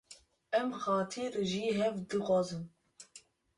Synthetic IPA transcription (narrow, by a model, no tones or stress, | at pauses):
ɛmxɑːt̪ʰiɾʒiːɦɛvd̪ɨxʷɑːzɨm